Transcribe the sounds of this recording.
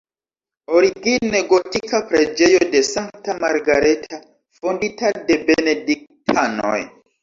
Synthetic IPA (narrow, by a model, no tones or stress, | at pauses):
oɾiɡineɡo̞tikapɾe̞d͡ʒe̞jode̞saŋktamaɾɡaɾetʰa | fonditade̞benedik̚tʰano̞̰j